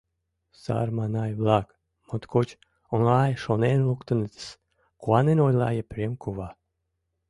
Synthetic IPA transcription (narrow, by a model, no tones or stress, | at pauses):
sa̰ɾmanajblˠak | mɔt̪kɔt͡ʃ | unaːjʃɔnenlˠukt̪unit̪s | kuanenɔjlˠa̰ːjapɾimkuva